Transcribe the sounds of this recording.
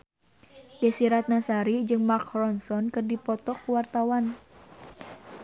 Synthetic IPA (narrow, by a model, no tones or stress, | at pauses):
dɛsiɾat̪̚nasaɾid͡ʒɨŋmakrɔnsɔnkərdipɔt̪ɔkəwart̪awan